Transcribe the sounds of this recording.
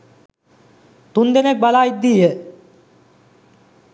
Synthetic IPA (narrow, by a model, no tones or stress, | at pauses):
t̪und̪enek̚balaj̚d̪ije